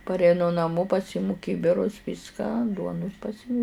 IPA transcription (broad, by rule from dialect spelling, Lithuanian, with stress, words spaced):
pɐrʲɛɪˈnʊ nɐˈmoː pɐˈsʲiːmʊ ˈkʲiːbʲɪrʊs ˈʋʲiːskɑː ˈduɔnʊs pɐˈsʲiːmʊ